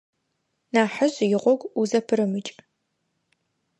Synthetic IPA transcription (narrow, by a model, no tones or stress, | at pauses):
naːħəʑjɪʁʷɔɡʷuzɐpʰɨɾɨmɨt͡ʃʼ